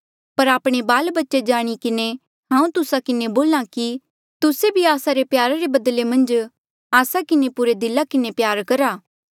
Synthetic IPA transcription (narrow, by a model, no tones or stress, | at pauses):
pɐɾaːpɽ̃ebaːlbɐtːʃed͡ʒaːɽ̃ikɪne | ɦãːũt̪ʊsakɪneboːlaki | t̪ʊsebʱiaːsaɾepjaːɾaɾebɐd̪lemɐ̃nd͡ʒ | aːsakɪnepʊɾed̪ɪlakɪnepjaːɾkɐɾaː